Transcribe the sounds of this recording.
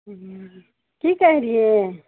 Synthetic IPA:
kiːkɛɦiɾie

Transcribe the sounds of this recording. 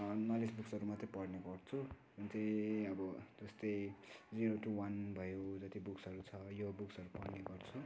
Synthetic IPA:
nʌlisbuksʌɾumat̪ripʌɽnekʌɽt͡sʰu | bunt͡sʌʌbʌd͡zʌst̪ʌjd͡ziɾoʈuwanbʱʌjod͡zʌt̪ibuksʌɾut͡sʰʌjobuksʌɾupʌɽneɡʌrt͡sʰu

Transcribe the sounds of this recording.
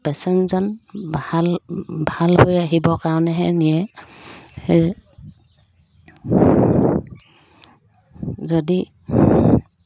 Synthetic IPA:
pɛsɛnzɔnblbʱalhojaɦibɔkaɹɔnɛɦɛnijɛ | hɛ | zɔdi

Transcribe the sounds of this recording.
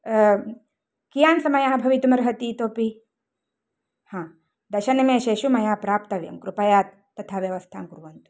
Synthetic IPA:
kijaːnsɐmɐjaɦɐbʱɐʋit̪umɐɾɦɐt̪it̪oːpi | hãː | d̪ɐʃɐnɐmeʃeːʃumɐjaːpɾaːpt̪ɐʋjɐ̰mkɾupɐjaːt̪̚ːɐt̪ʰaːʋjɐʋɐst̪ʰaːmkuɾʋɐnt̪u̥

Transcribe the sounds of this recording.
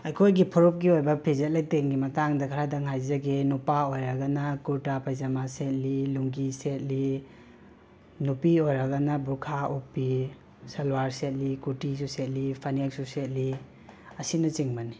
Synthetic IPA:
ejkʰojɡipʰɔɾop̚ɡiojbɐpʰizet̚lajteŋɡimɐtaŋdɐkʰaɾadɐŋɦajzɐɡenupaojɾɐɡɐnɐkuɾtapajzamaset̚liluŋɡiset̚li | nupiojɾaɡɐnɐbukʰaupi | sɐlwaɾset̚likutisuset̚lipʰanek̚suset̚li | ɐsinɐt͡ʃiŋbɐni

